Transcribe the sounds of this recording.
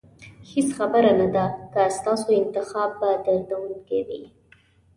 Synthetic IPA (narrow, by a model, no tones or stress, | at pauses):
hisxabəɾanad̪akəst̪ɑsoɪnt̪ɪxɑb̚ːad̪əɾd̪awunkewḭ